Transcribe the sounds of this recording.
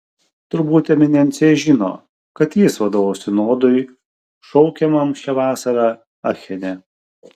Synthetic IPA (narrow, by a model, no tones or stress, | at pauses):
t̪ʊɾbuːt̪ʲɛmʲɪnʲɛnʲt̪sʲejɛʒʲɪno̰ː | kɐt̪jɪsʋɐd̪oːʋosʲɪnoːd̪ʊɪ | ʃɔʊkʲɛmɐmʃʲɛʋɑːsɐɾɑ | ɐxʲɛnʲɛ